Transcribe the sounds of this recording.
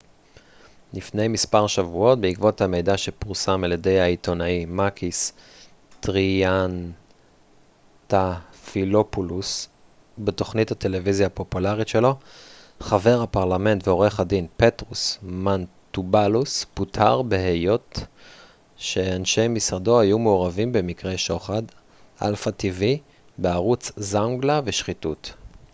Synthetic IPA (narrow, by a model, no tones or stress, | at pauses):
lifne̞jmispaʁʃavuo̞t̚beikvo̞thame̞jdaʃepuʁsamaljede̞jhaito̞naimakʰis | tʁian | tafilopulus | beto̞χnithate̞le̞vizjapo̞pulaʁitʃe̞lo̞ | χave̞ʁhapaʁlame̞ntveo̞ʁe̞χadinpe̞tʁusman | tubalusputʰaʁbe̞ɦejo̞t | ʃe̞anʃe̞jmisʁado̞hajumeoʁavimbe̞mikʁe̞jʃo̞χad | ʔa̰lfativi | beaʁut͡szaŋɡlaveʃχitut